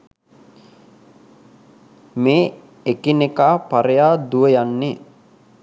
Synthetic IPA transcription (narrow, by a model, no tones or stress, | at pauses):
meː | ekinekaːpaɾejaːd̪uʋəjanːe